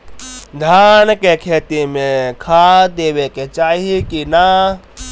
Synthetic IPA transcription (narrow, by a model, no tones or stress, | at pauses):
d̪ʱjaːnkekʰeːt̪imẽkʰad̪eːʋeket͡ʃaːɦikina